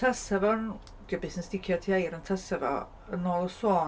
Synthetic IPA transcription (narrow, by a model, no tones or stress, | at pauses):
tʰəsɛvɔn | ɡ̥əbɪsnɛnsd̥ɪkʰjɔtʰiajɾəntʰəsɛvɔ̰ | ənɔːlˠəsoː